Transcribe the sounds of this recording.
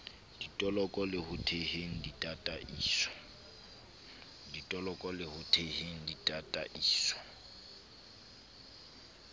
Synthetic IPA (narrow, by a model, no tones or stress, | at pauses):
d̥itʼɔlɔkʼɔlɪhʊtʰeheŋ̩ditʼatʼaʔiːsɔ̥ | ditʼɔlɔkʼɔlɪhʊtʰeheŋ̩ditʼatʼa̰ʔiːsɔ̥